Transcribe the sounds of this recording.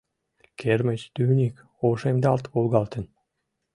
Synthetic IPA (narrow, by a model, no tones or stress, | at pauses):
kermət͡ɕt̪ynʲik | oʃemd̪ɑlt̪kolˠɣɑlt̪ə̆n